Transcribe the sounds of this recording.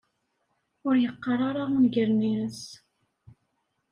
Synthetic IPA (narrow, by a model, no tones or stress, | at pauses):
ʊɾjəqːɑrˤaɾaʁunɡəɾninəs